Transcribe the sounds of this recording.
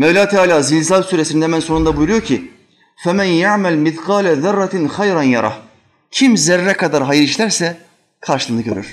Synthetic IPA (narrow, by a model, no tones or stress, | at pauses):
mevlʲaːt̪ʰaːlʲaːzilʲzalsyːɾesind̪ɛmænso̞nund̪abujuɾujo̞ɾcʰi | fɛmænjaʕmælmiθqɑːlɛðɑrːɑt̪ʰnxajɾanjaɾˤɑ̰h | cʰimzɛɾːɛkʰad̪aɾɦajɯɾiʃlʲæɾsɛ | kʰaɾʃɯlˠːnɯkɟøɾy̰ɾ̥